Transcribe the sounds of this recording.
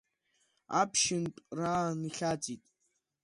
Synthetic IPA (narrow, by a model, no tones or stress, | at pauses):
apʰʃɪntʼraːniχʲad͡zʼitʼ